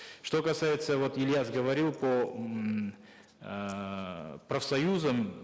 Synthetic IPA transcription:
ʂt̪o̞kɐsajɪt̪səvo̞t̪ɪlʲjazɡəvɐɾʲilˠpə | pɾəfsɐjuzəm

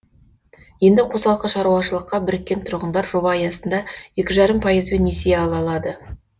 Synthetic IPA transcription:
je̞nd̪ɪqʰo̞sɑlˠqəʃɑɾuwɑʃəlˠəqːɑbɪɾɪkʲːe̞nt̪ʰʊɾʁənd̪ɑɾʒo̞bɑːjɑsənd̪ɑje̞kʲɪʒɑɾəmpʰɑjəzbe̞nːesejeɑlˠɑlˠɑd̪ə

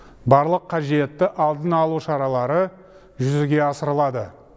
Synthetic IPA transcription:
bɑɾlˠəqʰːɑʒie̞t̪ːɪʔɑlˠd̪ənɑlˠuʃɑɾɑlˠɑɾə | ʒʏzɪɡʲe̞ɑsəɾəlˠɑd̪ə

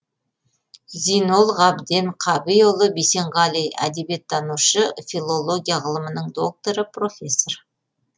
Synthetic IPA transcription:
zijno̞lˠʁɑbd̪enqʰɑbijolˠəbise̞ɴʁɑlʲijæ̰d̪ebe̞t̪ʰːɑnuʃəfʲilˠo̞lˠo̞ɡʲijaʁəlˠəmənəɴd̪o̞k̚t̪o̞ɾəpro̞fʲe̞sːo̞r

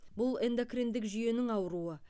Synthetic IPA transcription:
bʊlˠe̞nd̪okrind̪ɪkʒʏje̞nɪŋɑwəɾuə

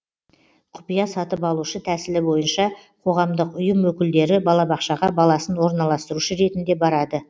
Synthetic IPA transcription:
qʰʊ̥pijɑsɑt̪əpɑlˠuʃət̪ʰæsɪlɪbo̞jənʃɑqʰo̞ʁɑmd̪əqʊjəmwɵkʲɪld̪e̞ɾɪbɑlˠɑbɑqʃɑʁɑbɑlˠɑsənwo̞ɾnɑlˠɑst̪əɾuʃəɾe̞t̪ɪnd̪e̞bɑɾɑd̪ə

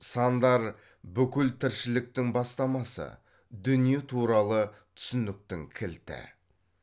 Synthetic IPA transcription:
sɑnd̪ɑɾ | bʏkʲɪlt̪ʰɪɾʃɪlɪk̚t̪ɪŋbɑst̪ɑmɑsə̰ | d̪ʏnijet̪ʰuɾɑlˠət̪ʰʏ̥sɪnɪk̚t̪ɪŋkʲʰɪlt̪ɪ̰

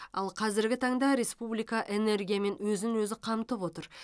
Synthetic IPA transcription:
ɑlˠqʰɑzɪɾɡʲɪt̪ʰɑɴd̪ɑɾe̞spublijkɑʔe̞ne̞ɾɡʲijame̞nwɵzɪŋwɵzɪqʰɑmt̪əpwo̞t̪əɾ

